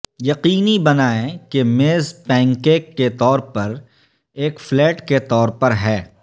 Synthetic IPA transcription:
jɐqiːnibɐnaːẽkemeːzpɛ̃ːŋkeːkːet̪ɔːɾpɐɾ | eːkflɛːʈket̪ɔːɾpɐɾɦɛː

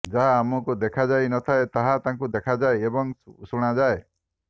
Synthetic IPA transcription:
d͡ʒaɦaːmɔkud̪ekʰad͡ʒajnɔt̪ʰaet̪aɦat̪ãŋkud̪ekʰad͡ʒaeebɔŋsuɽ̃ad͡ʒae

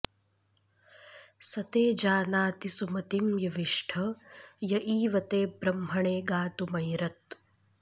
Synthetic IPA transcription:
sɐt̪eːd͡ʒaːnaːt̪isumɐt̪imjɐʋiʂʈʰɐjɐʔiːʋɐt̪eːbɾɐmɦɐɳeːɡaːt̪umɐjɾɐt̪

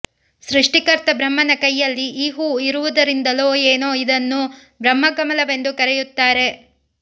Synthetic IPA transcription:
sɾuʂʈikɐɾt̪ɐbɾɐmːɐnɐkɐjːɐlːiʔiːɦuːiɾuʋud̪ɐɾind̪ɐloːeːnoːid̪ɐnːu | bɾɐmːɐɡɐmɐlɐʋe̞nd̪ukɐɾɛjut̪ːaːɾe̞

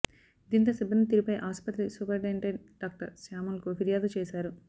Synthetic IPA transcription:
d̪iːnt̪ɐsɛbːɐnːit̪̬iɾipɐjʔaːspɐt̪ɾisupɐɾɖeɳʈeɳ | ɖaːk̚ʈɐɾsaːmunkupiɾijaːd̪ut͡ʃɛːsaːɾu

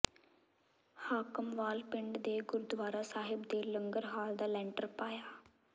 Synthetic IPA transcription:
haːkəmʋaːlpɪɳɖd̪eːɡʊɾd̪ʋaːɾaːsaːɦɪbd̪eːləŋɡəɾɦaːld̪aːlɛ̃ːɳʈəɾpaːjaː

